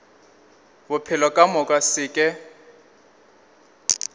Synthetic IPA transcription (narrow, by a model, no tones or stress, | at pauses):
bʊpʰɪlɔkʼamʊkʼasɪːkʼɛ